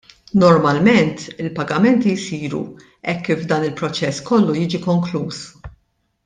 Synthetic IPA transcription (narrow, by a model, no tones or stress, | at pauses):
nɔɾmɐlmɛnt̪ɪlpɐɡɐmɛnt̪ijsiːɾṵ | ɛkːiːvd̪ɐːnɪlpɾɔt͡ʃɛskɔlːujiːd͡ʒikɔŋkluːs